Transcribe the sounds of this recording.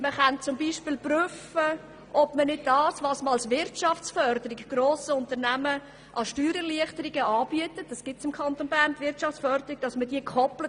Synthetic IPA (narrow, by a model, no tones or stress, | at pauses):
məχant͡sʊmbiːʃpɪːlpryfə | ʔɔb̥mənɪd̚dɑːsvɑsməɑlsvɪɾtʃɑft͡sfœɾdəɾɪkɡ̥ɾoːsəʊntəɾnæmə | ʔɑʃtyːɾəliəχtəɾɪɡəɑːb̥iətət̚d̥ɑsɡ̥ɪtsɪmkʰχɑnt̪onbæɾntvɪɾtt͡ʃɑft͡sfœɾdəɾiɡ̚d̥ɑsməd̥iːəkʰχɔplə